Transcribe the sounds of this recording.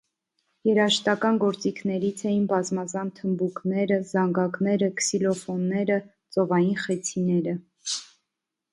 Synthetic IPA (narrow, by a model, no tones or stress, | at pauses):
jɛɾɑʃt̪ɑkɑnɡɔɾt͡sikʰnɛɾit͡sʰɛjinbɑzmɑzɑnt̪ʰəmbuknɛɾəzɑŋɡɑknɛɾəkʰsilɔfɔnːɛɾə | t͡sɔvɑjinχɛt͡sʰinɛɾə